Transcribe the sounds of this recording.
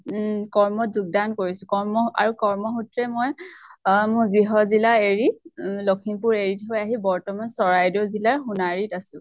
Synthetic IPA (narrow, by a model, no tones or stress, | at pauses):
kɔɹmɔtzuɡ̚dankoɹisʊkɔɹmɔa̰ɹukɔɹmɔxutɹɛmoj | mʊɹɡɹiɦɔzilaeɹilokʰimpuɹeɹitɦojaɦibɔɹtɔmansɔɹajdɔzilaɹxunaɹitasʊ̃